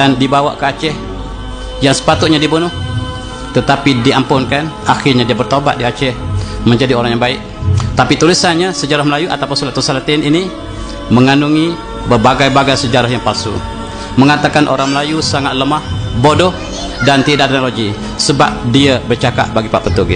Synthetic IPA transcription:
andibawa̰ʔkəat͡ʃɛh | jaŋsə̥pat̪ʊt̪ʔ̚ɲadibunʊh | t̪ət̪apidiampʊnkanaxɪrɲadiəbərt̪oba̰t̪̚diat͡ʃɛhmə̃ɲd͡ʒadioɾaŋjaŋbaɪʔ | t̪apit̪ulisanɲasəd͡ʒaɾahməlajuʔa̰t̪awpənsulat̪ːusalat̪ɪnini | məŋanuŋi | bərbaɡajbaɡajsəd͡ʒaɾaɦjaŋpalsṵ | məŋat̪akanʔo̰ɾaŋməlajusaŋat̪̚ləmahbodɔh | dant̪idaʔ̚t̪ɛnoloɡi | səbap̚diəbərt͡ʃaka̰ʔ̚baɡipaʔpət̪uɡḭ

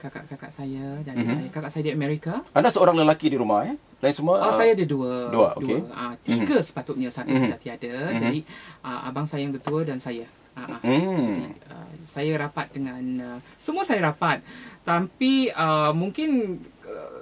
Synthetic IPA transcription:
kaka̰ʔkaka̰ʔsajədansajakakaʔsajadiəmɛɾikaandasəoɾaŋləlakidiɾumahe | lainsəmuaosajadəduəduəo̰dukeat̪iɡəsə̥pat̪ʊt̪̚ɲəsat̪usdat̪iadəd͡ʒadiʔə̰ʔa̰baŋsajjaŋdət̪uədansaja | ʔaʔaḭə̰sajaɾapat̪̚dəŋãnə | səmuəsajaɾapat̪̚ːapiəmuŋkɪnə

